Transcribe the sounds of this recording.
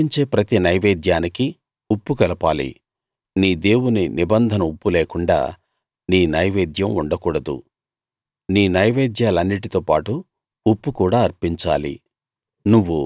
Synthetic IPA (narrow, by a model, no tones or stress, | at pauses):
iɲt͡ʃe̞ːpɾɐt̪inɐjʋeːd̪jaːniki | upːukɐlɐpaːlḭ | niːd̪e̞ːwuninibɐnd̪ʱɐnɐupːuleːkuɳɖa̰ː | niːnɐjʋeːd̪jɐmuɳɖɐkuːɽɐd̪ṵ | niːnɐjʋeːd̪jaːlɐnːiʈ̬it̪oːpaːʈu | upːukuːɽaːɐɾpiɲt͡ʃa̰ːlḭ | nuʋːu